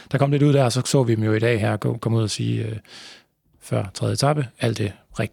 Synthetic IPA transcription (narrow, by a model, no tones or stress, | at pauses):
d̥ɑ̈kʰɒ̽m̰le̝ɾuð̞̰ˠd̥æɐɒsɒ̽sɔ̰̽ːʋid̥emjo̝iɾ̥ɛ̰ːɦæɐ̰ɡ̥ɔkʰɒ̽muð̞̰ˠɐsḭːø | fɶɐ̰t͡sʰʁɛðˠjət͡sʰɑ̈b̥əæl̰d̥e̝ʁɛɡ̥d̥i̥